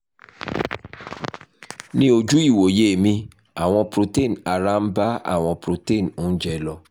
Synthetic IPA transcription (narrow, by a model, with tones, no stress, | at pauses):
nĩ˧o˧d͡ʒu˦i˦˨wo˨je˦˨mĩ˧ | a˨w̃ɔ̃˧pɾo˧te˦˨na˨ɾa˦n̩˦ba˦a̰˦˨w̃ɔ̃˧pɾo˧te˦˨nõ˦n̩˦d͡ʒɛ˧lɔ˧